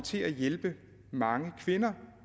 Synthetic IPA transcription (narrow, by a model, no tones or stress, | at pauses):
t͡sʰe̝æjelb̥ə | mɑ̈ŋəkʰʋe̝nɐ